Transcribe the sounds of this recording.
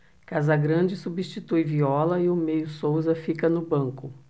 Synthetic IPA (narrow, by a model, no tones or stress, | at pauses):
kazɐɡɾɐ̃d͡ʒɪsubist͡ʃit̪ujviɔlɐɪʊmejʊsowzɐfikɐnʊbɐ̃ŋkʊ